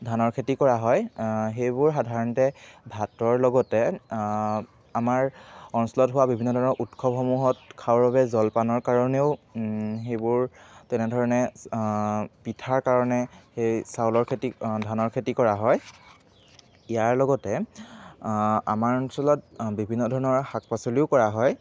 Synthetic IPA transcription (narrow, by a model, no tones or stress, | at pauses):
dʱanɔɹkʰetikɔɹaɦɔjxejbʊɹxadʱaɹɔntɛbʱatɔɹlɔɡɔtɛ | amaɹɔnsɔlɔtɦʊwabibʱinːɔdʱɔɹnɔʔutkʰɔpxɔmuɦɔtkʰawɔɹbaβɛzɔlpanɔɹkaɹɔneʊxejbʊɹtɛnɛdʱɔɹɔnɛ | pitʰaɹkaɹɔnɛxejsawlɔɹkʰetidʱanɔɹkʰetikɔɹaɦɔj | ijaɹlɔɡɔtɛ | a̰maɹɔnsɔlɔt̚bibʱinːɔdʱɔɹɔnɔɹhak̚pasɔliʊkɔɹaɦɔj